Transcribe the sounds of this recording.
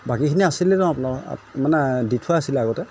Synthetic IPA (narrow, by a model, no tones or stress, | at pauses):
bakikʰiniasilɛtɔ̃apunaɹ̰manɛditʰuaasilɛaɡɔtɛ